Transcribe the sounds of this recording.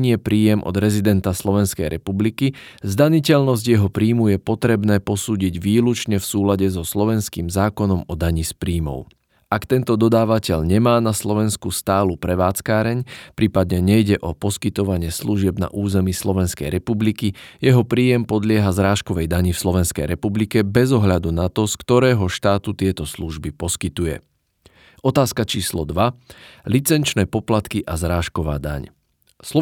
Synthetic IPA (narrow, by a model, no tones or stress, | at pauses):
ɲɪɛpɾiːjɛmʔɔ̰d̪ɾɛzid̪ɛnt̪aslɔʋɛnskɛjɾɛpublikizd̪aɲicɛʎnɔzɟjɛɦɔpɾiːmujɛpɔt̪ɾɛbnɛːpɔsuːɟiɟʋiːlut͡ʃɲɛfsuːlaɟɛzɔslɔʋɛnskiːmzaːkɔnɔmɔd̪aɲispɾiːmɔ̰ʊ | akt̪ɛnt̪ɔd̪ɔd̪aːʋacɛʎɲɛmaːnaslɔʋɛnskust̪aːlupɾɛʋaːt͡skaːɾɛɲpɾiːpad̪ɲɛɲɛjɟɛʔɔpɔskit̪ɔʋaɲɪɛsluʒɪɛbna̰ʔuːzɛmiːslɔʋɛnskɛ̰jɾʔɛpublikijɛɦɔpɾiːjɛmpɔd̪lɪɛɦazɾaːʃkɔʋɛjd̪aɲifslɔʋɛnskɛ̰jɾɛpublikɛbɛzɔɦʎad̪unat̪ɔskt̪ɔɾɛːɦɔʃt̪aːt̪ut̪ɪɛt̪ɔsluʒbipɔskit̪ujɛ̰ | ʔɔt̪aːskat͡ʃiːslɔ̰d̪ʋalit͡sɛnt͡ʃnɛːpɔplat̪kiʔazɾaːʃkɔʋa̰ːd̪a̰ɲ | sɔ